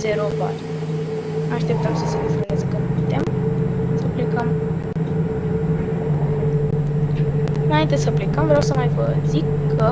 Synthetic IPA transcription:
ze̞ɾopa̰t̪ɾu | aʃt̪e̞p̚t̪əmsəsenefoɾmezekənuput̪e̞msəplekəm | majaint̪ɨj̪ʲsəplekəmvɾeawsəmajvəzikʰːə

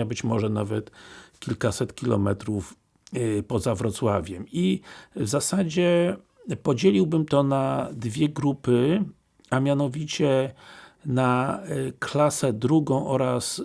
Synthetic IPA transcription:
abɘt͡ɕmɔʐɛnavɛt̪kʲilkasɛt̪kʲilɔ̰mɛt̪ɾuf | pɔzavɾɔt̪swavʲjɛmivzasad͡ʑɛ | pɔd͡ʑelʲiwbɘmt̪ɔnad̪vʲjɛɡɾupɘ | amʲjanɔvʲit͡ɕɛ | naklasɛd̪ɾuɡɔ̃w̃ʔɔɾas

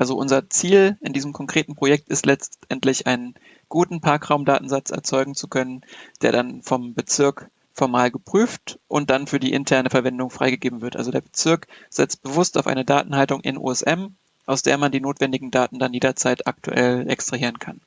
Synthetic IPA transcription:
ʔalzoʔʊnzɐt͡siːlɪndiːzəmkʰɔŋkʁ̥eːtn̩pʁ̥ojɛk̚tɪstlɛt͡stʔɛntlɪçʔaɪnən | ɡ̥uːtn̩pʰaɐkʁ̥aʊmdaːtn̩zat͡sʔɛ̰ɐt͡sɔʏɡŋ̩t͡su̥kʰœnənd̥eːɐɾdanfɔmbət͡sɪɐk | fɔɐmaːlɡəpʁ̥yːftʔʊnt̚d̥anfyːɐdiːʔɪ̰ntʰɛɐnəfɛɐvɛndʊŋfʁ̥a̰ɪɡəɡeːbm̩vɪɐtʔa̰lzodeːɐbət͡sɪɐkz̥ɛt͡st̚b̥əvʊstaʊfʔa̰ɪnədaːtn̩haltʊŋʔɪ̰nʔṵːɛsʔɛm | ʔaʊsd̥ḛːɐmandiːnoːtv̥ɛndɪɡŋ̩daːtn̩danjeːdɐt͡saɪta̰k̚tṵʔɛ̰lʔɛ̰kstʁ̥ahiːʁənkʰan

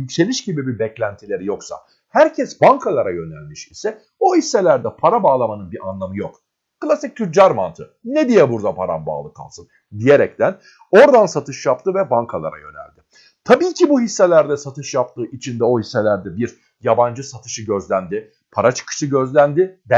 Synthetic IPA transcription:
yse̞lʲiʃɟibibibɛclʲænt̪ʰilʲe̞ɾijo̞ksa̰ | hæɾcʰɛsbankʰalˠaɾajø̞nælʲmiʃisɛ | ohisːe̞lʲæɾd̪ɛpʰaɾabaːlˠamanɯnbiɾʔanlˠamɯjok | kɯlˠasic̚t̪ʰyd͡ʒaɾmant̪ʰɯ | ned̪ijɛbuɾd̪apʰaɾa̰nba̰ːlˠɯkʰa̰lˠsɯn | d̪ije̞ɾɛct̪ʰæn | o̞ɾd̪ansat̪ʰɯʃjap̚t̪ʰɯvɛbaŋkʰalˠa̰ɾa̰jø̞̰næ̰lʲd̪ɪ | t̪ʰabiːcʰibuhisːelʲæɾd̪ɛsat̪ʰɯʃjapt̪ʰɯːʔit͡ʃʰind̪ɛo̞hisːe̞lʲæɾd̪ɛbiɾ | jaband͡ʒɯsat̪ʰɯ̥ʃɯɟø̞zlʲænd̪ɪ | pʰaɾat͡ʃʰɯ̥kʰɯ̥ʃɯɟø̞zlʲænd̪ɪd̪

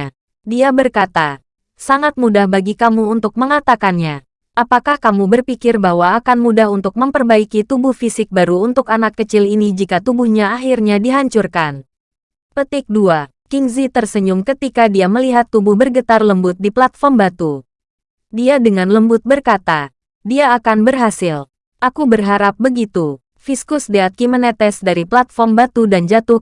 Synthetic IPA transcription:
diabərkat̪a | saŋat̪̚mudahbaɡikamuːnt̪ʊk̚məŋat̪akanɲa | ʔapakahkamubərpikɪrbahwaːkanmudaɦunt̪ʊk̚məmpərbaikit̪ubʊhfisɪk̚baɾuunt̪ʊkanakːət͡ʃɪlinid͡ʒikat̪ubʊhɲaːɦirɲadiɦaɲt͡ʃurkan | pət̪ɪk̚dua | kiŋzit̪ərsəɲʊmkət̪ikadiaməliɦat̪ːubʊhbərɡət̪arləmbʊt̪̚diplat̪̚fɔrmbat̪u | diadəŋanləmbʊt̪̚bərkat̪a | diaːkanbərɦasɪl | ʔakubərɦaɾap̚bəɡit̪u | fiskʊsdeat̪̚kimənɛt̪ɛsdaɾiplat̪̚fɔrmbat̪udand͡ʒat̪ʊh

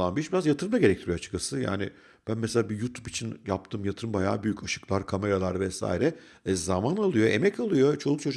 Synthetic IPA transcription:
anbiɾiʃbiɾazjat̪ʰɯɾɯmd̪aɟe̞ɾɛc̚t̪ʰiɾijoat͡ʃʰɯ̥kːasɯja̰ːnɪ̰ | b̥ænmeselʲaːbijut̪ʰupit͡ʃʰinjap̚t̪ʰɯːmjat̪ʰɯɾɯmbaja̰ːbyjycʰaʃɯ̥klˠaɾkʰame̞ɾalˠaɾvɛsa̰ːjiɾɛ | zamanalˠɯjo̞emɛcalˠɯjo̞t͡ʃʰo̞lˠuk̚t͡ʃʰod͡ʒ

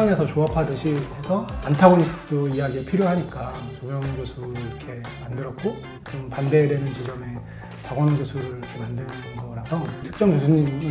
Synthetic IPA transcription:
aŋesʰʌt͡ɕoapʰadɯɕʰikesʰʌantʰaɡonisʰɯ̥tʰɯdoijaɡieɭpʰiɾjoɦaɲik͈akomjʌŋɡosʰuɾɾʌkʰe̞ | mandɯɾʌt̚k͈o | t͡ɕompande̞ɾe̞nɯnt͡ɕid͡ʑʌme̞ | t͡ɕaɡwʌnʌɡjosʰuɾɯɾiɾkʰe̞mandɯnɯnʌŋɡʌɡʌɾasʰʌtʰɯ̥k̚t͡ɕ͈ʌŋkjosʰuɲim

